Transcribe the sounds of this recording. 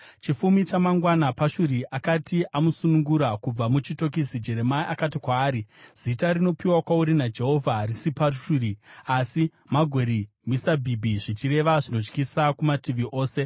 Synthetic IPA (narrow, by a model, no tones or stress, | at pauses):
t͡ʃifumit͡ʃamaŋɡwanapaʃuɾiʔakatiʔamusunuŋɡuɾakub͡vamut͡ʃito̞k̬isid͡ʒe̞ɾe̞maiʔakat̬ikwaːɾiz̥itaɾino̞piwakwauɾinad͡ʒe̞ɦo̞vʱaɦaɾisipaʃuɾiasi | maɡʱo̞ɾi | misabʱibʱiʐit͡ʃiɾe̞ʋaʐino̞t͡ʃkisakumatiʋiʔo̞ːse̞